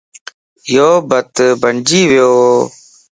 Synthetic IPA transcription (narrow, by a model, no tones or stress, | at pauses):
joːbət̪bənd͡ʒiːʋjoː